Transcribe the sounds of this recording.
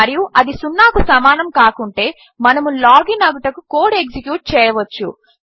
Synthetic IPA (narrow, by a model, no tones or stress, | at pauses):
ɐɾijuʔɐd̪isunːaːkusɐmaːnɐmkaːkuɳʈe̞ː | mɐnɐmulaːɡinɐɡuʈɐkukoːɖeksikjuːʈ̚t͡ʃɛːjɐʋɐt͡ʃːu